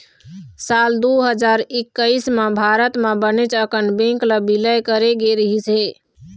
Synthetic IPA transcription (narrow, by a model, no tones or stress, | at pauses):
sald̪uɦəd͡ʒaɾikːəɪsmẽbʱaɾət̪mẽbənet͡ʃəkʰənbẽŋkləbiləjkəɾeɡeɾəɦise